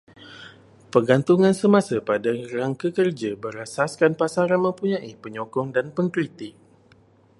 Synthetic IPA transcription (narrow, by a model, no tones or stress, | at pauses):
pərɡant̪uŋãnsəmãsapadaɾaŋkəkərd͡ʒabəɾasaskanpasaɾanmə̃mpuɲãʔipəɲɔkɔŋdanpəŋkɾit̪ɪk̚